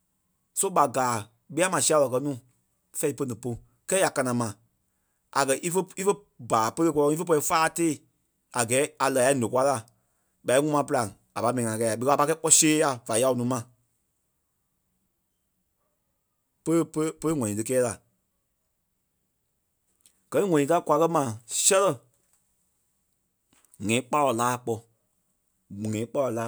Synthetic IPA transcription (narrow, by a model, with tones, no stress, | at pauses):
so˦ɓa˨ɡaː˨ | ɓi˦a˦mã˨si˦a˧˨lɔ˨kɜ˧nũː˦˨ | fɛ˧˦i˦˧pə˧˦nĩ˨po˧ | kɛː˦a˨ka˧nã˨mã˨ | a˨kɜ˨ʔi˦fə˦i˦fə˦ | baː˨pə˦lə˧kɔ˧lɔ̃˧ŋ˦i˦fə˦p̬ɔ˧i˧faː˦teː˦˨ | a˨ɡɛː˨˦a˨laː˨ja˨˦nõ˨kwa˧˦la˨ | ɓa˨˦i˦ŋũ˦mã˧pɨ˧la˨ŋ˨ | a˨pa˧˦mɛ̃˨ĩ˨ŋã˨kɛ˧˨a˨ɓi˧kːpa˧kɛ˦k͡pɔ˧˦seː˦ja˨va˨˦ja˧˨˧nũː˨˦mã˨ | pə˦ppə˦lə˦ŋɔ̃˨ĩ˨tɨ˧kɛː˦la˨ | ɡ̥ɜ˨nĩ˦ŋɔ̃˨nĩ˧ta˦˨kwa˧kɜ˦mã˨sɛ˦lɜ˦˨ | ŋɛ̃˨˦k͡pa˦lɔ˨laː˦˨k͡pɔ˧˨ | ŋɛ̃˨ĩ˦k͡pa˦lɔ˨laː˦